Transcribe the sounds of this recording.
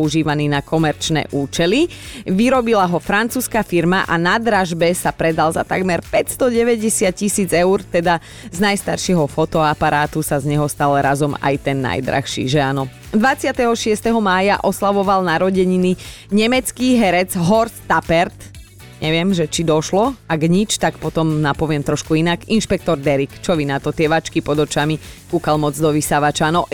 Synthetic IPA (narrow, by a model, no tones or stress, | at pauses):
puʒiːʋaniːnakʰɔmɛɾt͡ʃnɛ̰ːʔuːt͡ʃɛli | ʋiɾɔbilaɦɔfɾant͡suːskaːfiɾmaʔanad̪ɾaʒbɛsapɾɛd̪alza̰t̪a̰ɡmɛɾpɛcst̪ɔɟɛʋɛɟɛsɪat̪̚cisiːd͡zɛʊɾt̪ɛd̪a | znajst̪aɾʃɪɛɦɔfɔt̪ɔapaɾaːt̪usazɲɛɦɔst̪aːlɾazɔma̰jt̪ɛnːa̰jd̪ɾa̰xʃḭːʒɛanɔ | d̪ʋat͡sɪat̪ɛɦɔʃɪɛst̪ɛɦɔmaːjaʔɔslaʋɔʋalnaɾɔɟɛɲiniɲɛmɛt͡skiɦɛɾɛd͡zɦɔɾst̪apɛɾt̪ | ɲɛʋɪɛmʒɛt͡ʃid̪ɔʃlɔaɡɲit͡ʃt̪akpɔt̪ɔmnapɔʋɪɛmt̪ɾɔʃkuinaɡinʃpɛk̚t̪ɔɾd̪ɛɾikt͡ʃɔʋinat̪ɔt̪ɪɛʋat͡ʃkipɔd̪ɔt͡ʃamikuːkalmɔd͡zd̪ɔʋisaʋat͡ʃanɔʔ